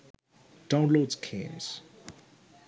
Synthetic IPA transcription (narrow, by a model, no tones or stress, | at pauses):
d̥ãw̃nlodskʰɛ̰̃nz̥